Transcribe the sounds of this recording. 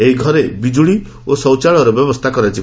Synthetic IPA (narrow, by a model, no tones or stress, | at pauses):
eɦiɡʱɔɾebid͡ʒuɭi | osɔwt͡ʃaɭɔɾɔbjɔbɔst̪ʰakɔɾajt͡ʃi